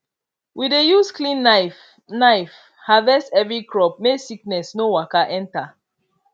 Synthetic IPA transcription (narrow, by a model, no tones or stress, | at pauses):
widejusklĩn | naɪf | havɛsɛvɹikɹɔp̚mesiknɛsnowakaʔɛ̃nta